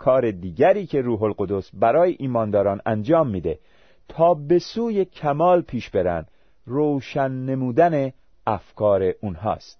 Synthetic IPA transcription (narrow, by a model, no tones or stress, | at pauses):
kʰɒːɾed̪iːɟæɾiːcʰe̞ɾuːɦolɢo̞d̪osbæɾɒːjeʔiːmɒːnd̪ɒːɾɒːnænd͡ʒɒːmːiːd̪e̞̰ | t̪ʰɒːbe̞suːje̞cʰæmɒːlpʰiːʃbe̞ɾæ̰nd̪ | rowʃænːe̞muːd̪æne | æfkʰɒːɾe̞ʔunɦɒ̰ːst̪